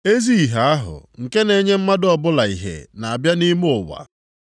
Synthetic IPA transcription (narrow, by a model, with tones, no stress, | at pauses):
e˦zi˦i˨ɦa˨a˦ɦʊ̰˨ŋ̩˨ke˦ne˨ɲe˦m̩˦ma˦dɔ˨bʊ˦la˨i˨ɦḛ˨na˨a˨bja˦ni˦mʊ˦ʊ˨wa̰˨